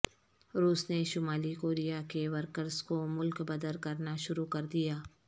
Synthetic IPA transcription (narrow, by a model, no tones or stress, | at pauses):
ɾuːsneʃʊmaːlikoːɾijakeʋəɾkəɾzkomʊlkbɐd̪əlkɐɾnaʃʊɾukɐɾd̪ijaː